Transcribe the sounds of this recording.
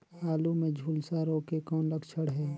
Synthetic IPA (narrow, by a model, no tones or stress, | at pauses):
aːlumẽd͡ʒʱuːlsaɾoːkekɔːnləɡt͡ʃʰəɽɦɛː